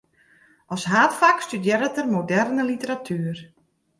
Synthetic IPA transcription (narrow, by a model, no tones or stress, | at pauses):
ʔɔsɦaːtfakstydjɪɾətərmodɛrnəlitəɾatʰyːər